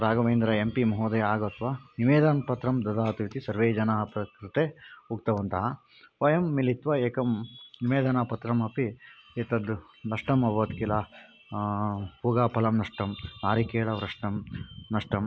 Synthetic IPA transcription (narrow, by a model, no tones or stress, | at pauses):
ɾaːɡɐʋeːnd̪ɾɐempimɐɦoːd̪ɐjaːɡɐɐt̪ʰʋaniʋeːd̪ɐnpɐt̪ɾɐmd̪ɐd̪aːt̪uʋit̪isɐɾʋeːd͡ʒɐnaːɦɐpɾɐkɾit̪euk̚t̪ɐʋɐnt̪ɐɦɐ | ʋɐjɐmːilit̪ʋɐeːkɐmniʋeːd̪ɐnapɐt̪ɾɐmɐpieːt̪ɐd̪ | nɐʂʈɐmɐbɐʋɐt̪kilaː | huɡaːpɐlɐmnɐʂʈɐmnaːɾikeːɭɐʋɾɐʂʈɐmnɐʂʈɐm